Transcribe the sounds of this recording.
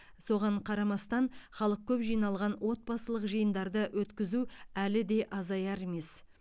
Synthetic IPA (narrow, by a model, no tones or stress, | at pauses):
so̞ʁɑɴqʰɑɾɑmɑst̪ɑɴχɑlˠəq̚kʲʰɵpʒijnɑlˠʁɑnwʔo̞t̪̚pɑsəlˠəqʒəjənd̪ɑɾd̪əwʔɵt̪kʲɪzuælɪd̪e̞ʔɑzɑjɑɾeme̞s